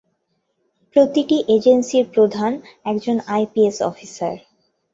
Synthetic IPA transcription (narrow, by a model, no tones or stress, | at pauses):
pɾot̪iʈiʔed͡ʑensiɾpɾod̪ʱan | ɛkd͡ʑonajpiesɔ̰fisa̰ɾ